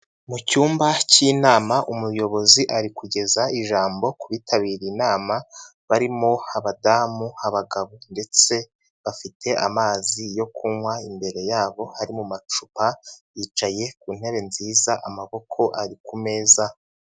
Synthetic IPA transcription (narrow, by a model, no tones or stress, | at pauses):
mucuːmbaciːnaːmaʔumujo̞βo̞ziʔaɾikuɟe̞zaiʒaːmbo̞kuβitʰaβiːɾinaːma | βaɾimo̞aβadamuaβaɡaβunde̞t͡se̞ | βafitʰe̞ʔamaːzijo̞kʰuŋwaimbe̞ɾe̞jaːβo̞haɾimumat͡ʃupajiːt͡ʃaje̞kun̥e̞βe̞nziːzaʔamaβo̞kʰo̞ʔaɾikume̞ːza